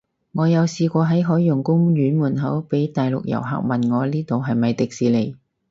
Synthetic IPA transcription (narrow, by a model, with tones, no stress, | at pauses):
ŋɔː˨˧jɐ˨˧wsiː˧kʷɔː˧ɦɐ˨˥jɦɔː˨˥jːʊ˨˩ŋkʊ˥ŋjyː˨˥nmuː˨˩nɦɐ˨˥wpe˨˥jt̪aː˨jlʊ˨k̚jɐ̰˨˩wɦa̰ː˨k̚mɐ˨nŋɔː˨˧liː˥t̪o˨wɦɐ˨jmɐ˨jt̪ɪ˨k̚siː˨˧le˨˩j